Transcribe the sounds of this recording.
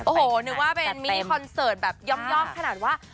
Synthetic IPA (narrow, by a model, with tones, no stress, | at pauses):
ʔoː˨˩hoː˨˩nɯ˦˥k̚waː˥˩pe˧nmi˦˩˧kʰɔ˧nsɤː˨˩t̪̚bɛː˨˩p̚jɔ˧mjɔː˥˩ŋkʰa˧naː˨˩t̪̚waː˥˩